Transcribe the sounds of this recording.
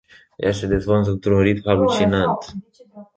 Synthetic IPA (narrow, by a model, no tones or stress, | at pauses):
jased̪ezvont̪̬ɨnt̪ɾunɾit̪malut͡ʃinant̪